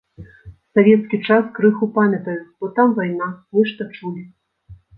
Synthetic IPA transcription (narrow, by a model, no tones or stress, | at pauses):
savʲɛt̪skʲit͡ʂaskɾɨxupamʲɐt̪ɐjub̥ɔt̪amvajnamɨʂt̪ɔt͡ʂulʲi